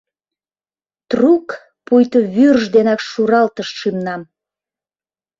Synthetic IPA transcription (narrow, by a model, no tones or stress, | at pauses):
t̪ruk | pujt̪oβyrʒd̪enɑkʃuɾɑlt̪əʃʃimnɑm